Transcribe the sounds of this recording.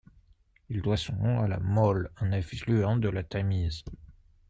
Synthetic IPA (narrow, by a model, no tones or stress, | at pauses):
ild̪wasɔ̃nɔ̃ala̰mɔlɑ̃nafiʃlyɑ̃d̪əlat̪amiz